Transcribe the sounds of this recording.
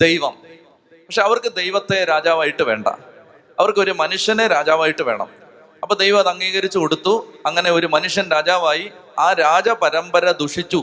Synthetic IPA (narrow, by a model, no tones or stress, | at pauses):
d̪ejʋɐm | pɐkʂeɐʋɐrkɨd̪e̞jʋɐt̪ːe̞ɾaːd͡ʑaːʋaːjiʈːɨʋe̞ːɳɖɐ̰ | ɐʋɐrkɨo̞ɾumɐnuʂjɐneɾaːd͡ʑaːʋaːjiʈːɨʋe̞ːɳɐ̰m | ɐpːoːd̪ejʋɐmɐðɐŋːiːɣɐɾit͡ɕːukoɽut̪ːuɐŋːɐne̞o̞ɾumɐnuʂjɐnɾaːd͡ʑaːʋaːjiaːɾaːd͡ʑɐpɐɾɐmbɐɾɐd̪uʂit͡ɕːu